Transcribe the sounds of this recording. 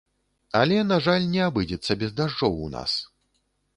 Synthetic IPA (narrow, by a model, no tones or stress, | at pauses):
alʲɛnaʐalʲnʲɛabɨd͡zʲɛt̪sːɐbʲɛzd̪aʐɔwuna̰s